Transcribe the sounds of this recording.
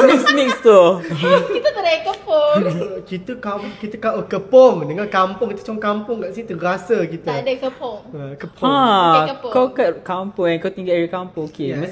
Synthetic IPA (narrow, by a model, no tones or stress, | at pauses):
msnĩkst̪o | it̪ət̪ədɛkəpokit̪əkakit̪əkawʔəkəpɔŋdəŋãnkampʊ̃ŋkit̪ət͡ʃɔŋkampʊŋɡaʔsit̪əɾasəkit̪ədɛkəpoŋkəpã | kakakãmpʊ̃ŋɛ̃nkat̪ĩŋɡɛɹikãmpũŋoke